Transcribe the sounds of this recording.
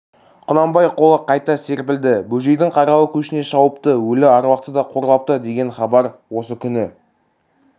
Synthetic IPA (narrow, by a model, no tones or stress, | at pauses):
qʰʊnɑmbɑjqʰo̞lˠəqʰɑjt̪ɑse̞ɾp̬ɪld̪ɪbɵʒe̞jd̪ɪŋqʰɑɾɑwəkʲʰɵʃɪne̞ʃɑwəpt̪əwɵlɪɑɾwɑqt̪əd̪ɑqʰo̞ɾlˠɑp̚t̪əd̪e̞ɡʲe̞nχɑbɑɾwo̞səkʲʰʏnɪ